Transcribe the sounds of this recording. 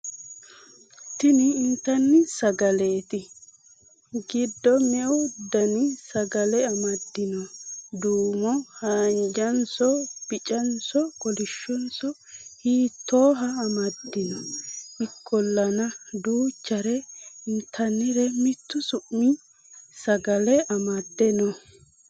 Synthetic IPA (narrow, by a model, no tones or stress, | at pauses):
t̪ɪnɪːnt̪ːɐnːɪsɐɡɐleːt̪ɪ | ɡɪd̪ːɔmɛwd̪ɐnɪsɐɡɐlɛɐmɐd̪ːɪnɔd̪uːmɔhaːnd͡ʒɐnsɔb̥ɪt͡ʃʼɐnsɔkɔlɪʃːɔnsɔ | hiːt̪ːoːɦɐːmɐd̪ːɪnɔɪkʰːɔlːɐnɐd̪uːt͡ʃːɐɾɛnt̪ʰɐnɪɾɛmɪt̪ːʊsʊʔːɪ | sɐɡɐlɛɐmɐd̪ːɛnɔ